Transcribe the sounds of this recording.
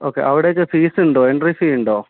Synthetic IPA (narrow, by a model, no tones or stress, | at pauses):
oːkːḛʔɐʋiɽet͡ɕːɐfiːsuɳɖoːeɳɖrifiuɳɖoː